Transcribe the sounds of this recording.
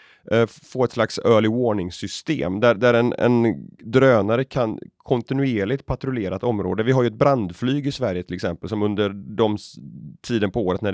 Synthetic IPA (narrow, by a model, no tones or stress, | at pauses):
foːɾɛt̪slaksœːlɪvoːɳɪŋsʏst̪ḛːmd̪æd̪æɾɛnɛ̰nd̪ɾøːnaɾəkʰankʰɔnt̪ɪnʉeːɭɪt̪̚pʰat̪ɾʊleːɾat̪ɔmɾo̰ːd̪əvɪɦaɾjɵɛt̪̚bɾand̪flyːɡɪsvæɾjət̪ʰɪlɛksɛmpəlsɔmɵnd̪əɾɖɔmt̪ʰiːd̪ənpʰɔoːɾət̪næɖ